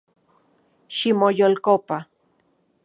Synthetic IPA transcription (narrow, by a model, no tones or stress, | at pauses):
ʃimojolkopa